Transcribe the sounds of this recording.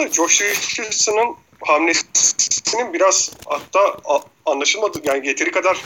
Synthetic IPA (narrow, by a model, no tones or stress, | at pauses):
d͡ʒoʃujɯʃlɯsɯnɯn | hamne | ininbiɾaz̥ha̰t̪ːaː | nlˠaʃɯlˠmad̪ɯjaːniɟe̞t̪ʰiɾikʰad̪aɾ̥